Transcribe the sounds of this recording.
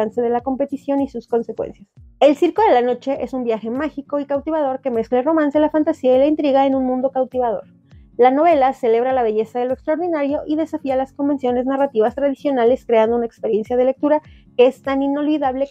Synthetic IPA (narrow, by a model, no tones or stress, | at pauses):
anseðe̞lako̞mpe̞t̪isjo̞nisusko̞nsekwḛnsjase̞lsiɾkoðe̞lano̞t͡ʃe̞ʔe̞̰sumbjaxe̞maxiko̞ikawt̪iβaðo̞ɾke̞me̞sklero̞mãnse̞lafant̪asiailaint̪ɾiɣaenũnmũnd̪o̞kawt̪iβað̞o̞̰ɾ | lano̞β̞e̞lase̞le̞β̞ɾalaβe̞ʝe̞saðe̞loekst̪ɾao̞ɾðinaɾjo̞ʔiðe̞safialasko̞mbe̞nsjo̞ne̞znarat̪iβast̪ɾað̞isjo̞nale̞skɾe̞and̪o̞unaekspe̞ɾje̞nsjað̞e̞le̞k̚t̪uɾa | keest̪anino̞lβiðaβle̞